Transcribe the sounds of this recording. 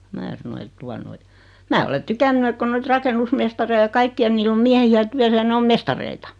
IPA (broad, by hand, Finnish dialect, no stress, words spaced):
mæː sɑno et tuɑ noi mæː ole tykænːy et ko noit rɑkenːusmestɑrei jɑ kɑikːiɑ niːlː om miæhiæ tyæsæ jɑ ne om mestɑreitɑ